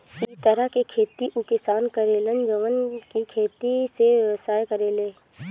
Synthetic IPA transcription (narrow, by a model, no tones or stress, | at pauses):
ɪt̪əɾakekʰeːt̪iʔʊkɪsaːnkəɾeːlənd͡ʒəʋənkikʰeːt̪isesaːjkəɾeːleː